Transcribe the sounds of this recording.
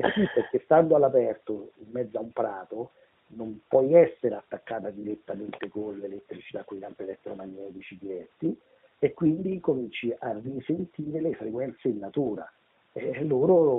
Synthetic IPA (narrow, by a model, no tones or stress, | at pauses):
ɛsipːerk̟est̪and̪oalːapɛrt̪oimːɛd̪zaumpɾaːt̪o | nompwɔjɛsːeɾat̪ːakːaːt̪ad̪iɾet̪ːament̪ekonlelet̪ːɾit͡ʃi̥t̪akːwejkamp̪elɛt̪ːɾomaɲːɛːt̪it͡ʃid̪iɾɛt̪ːi | ekːwind̪ikomint͡ʃiʔarːisent̪iːɾelefɾekwɛnt̪seinːat̪uːɾa̰ | ɛlːoːɾo